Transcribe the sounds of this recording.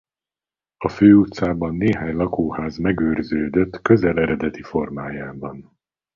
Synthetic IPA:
ɒføːut̪saːbɒnːeːɦaːɲlɒkoːhaːzmɛɡøːrzøːd̪øt̪ːkø̞zɛlɛɾɛd̪ɛt̪ifo̞rmaːjaːbɒn

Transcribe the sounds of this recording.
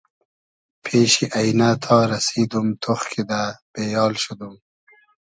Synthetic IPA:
pʰeːʃiʔajnat̪ʰɑːɾasid̪umt̪ʰoxkʰid̪ab̥ejɑːlʃud̪um

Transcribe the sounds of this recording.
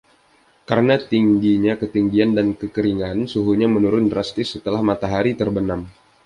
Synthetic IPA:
kaɾənat̪iŋɡiɲakət̪iŋɡiandankəkəɾiŋansuɦuɲamənuɾʊndɾast̪ɪsːət̪əlahmat̪aɦaɾit̪ərbənam

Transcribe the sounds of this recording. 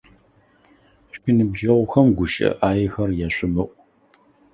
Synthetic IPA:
ɕʷinɨbʒɐʁʷʊxɐmɡʷʊʃʼɐ̰ʔaːjɪxɐrjɛɕʷʼɨmɨʔʷʼ

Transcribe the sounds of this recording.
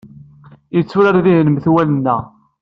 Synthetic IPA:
it͡sːuɾaɾðiɦnəmθwælənːæ

